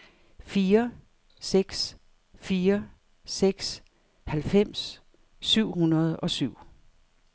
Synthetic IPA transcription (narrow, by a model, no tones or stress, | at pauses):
fiːɐ | seɡ̥s | fiːɐ | seɡ̥s | hælfem̰s | syʊ̰hunɐð̞̩ˠɒ̽syʊ̰